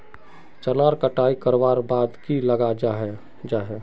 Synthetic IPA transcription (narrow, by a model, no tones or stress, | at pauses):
t͡ʃəlaɾkəʈaːikəɾʋaːɾbaːd̪kiləɡad͡ʒɦ | d͡ʒaɦɛ